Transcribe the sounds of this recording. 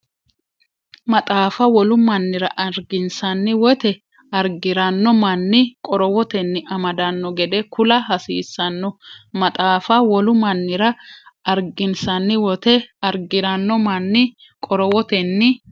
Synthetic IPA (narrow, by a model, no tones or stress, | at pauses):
mɐt̪ʼaːfɐwɔlʊmɐnːɪɾɐʔɐɾɡɪnsɐnːɪwɔt̪ɛ | ɐɾɡɪɾɐnːɔmɐnːɪkʼɔɾɔwɔt̪ɛnːɪʔɐmɐd̪ɐnːɔɡɛd̪ɛkʰʊlɐɦɐsḭːsːɐnːɔmɐt̪ʼaːfɐwɔlʊmɐnːɪɾɐɐɾɡɪnsɐnːɪwɔt̪ɛɐɾɡɪɾɐnːɔmɐnːɪ | kʼɔɾɔwɔt̪ɛnːɪ